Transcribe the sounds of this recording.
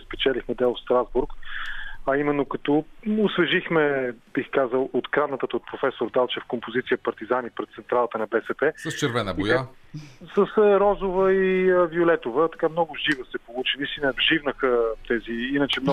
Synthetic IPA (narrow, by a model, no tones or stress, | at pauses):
spɛt͡ʃɛlixmɛd̪ɛlˠfst̪ɾazbuɾk | ɐimɛnːokɐt̪ɔosvɛʒixmɛb̥ixkazəlˠot̪kɾavnət̪ət̪ot̪̚pɾofɛsoɾd̪alˠt͡ʃɛfkompozit̪sijəpɐɾt̪izanipɾɛt̪t̪sɛnt̪ɾalˠət̪ənɐbɛsɛpɛsəst͡ʃɛɾvɛnəbioj̪ɛasəsɾɔzovəiəviolɛt̪ovət̪ɐ̥kamnɔɡʊʒivəsɛpolˠut͡ʃinist̪inəbʒivnəxət̪ɛziinət͡ʃɛmnɔ